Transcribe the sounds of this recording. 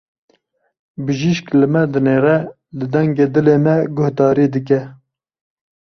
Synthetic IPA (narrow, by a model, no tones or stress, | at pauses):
bɨʒiʃklɨmɛd̪ɨneːɾɛ | lɨd̪ɛŋɡeːd̪ɨleːmɛɡʊhd̪ɑːɾiːd̪ɨk̬ɛ